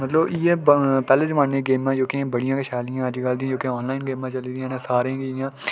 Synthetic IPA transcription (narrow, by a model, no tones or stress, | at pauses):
mət̪ləbiːeːpɛːleːd͡ʒmaɳnẽːɡeːmãːd͡ʒoːkɪãːbəɽɪjãːkəʃaːlijãːəd͡ʒɡəld̪ĩãd͡ʒoːkeɔːnlaːɪnɡeːmãːt͡ʃəliːd̪ijãːnãːsaːɾãːɡiɪjãː